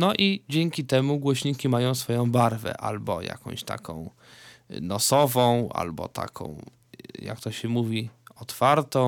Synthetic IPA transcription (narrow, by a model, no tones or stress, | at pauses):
nɔʔid͡ʑeŋʲkʲit̪ɛmuɡwɔɕɲikʲimajɔ̃w̃sfɔjɔ̃w̃baɾvɛ̰ʔa̰lbɔ̰ja̰kɔ̰̃w̃ɕt̪a̰kʰɔ̰̃w̃ | nɔsɔvɔ̃w̃a̰lbɔ̰t̪ʰa̰kʰɔ̰̃w̃ | ja̰k̚t̪ɔɕɛmuvʲiɔt̪faɾt̪ɔ̃